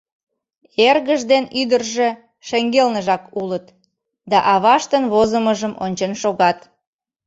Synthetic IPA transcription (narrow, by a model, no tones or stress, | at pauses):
erɣəʒd̪enyd̪ərʒe | ʃeŋɡelnəʒɑkulət̪ | d̪ɑʔɑβɑʃt̪ənβozəməʒəmonʲt͡ɕənʃoɣɑt̪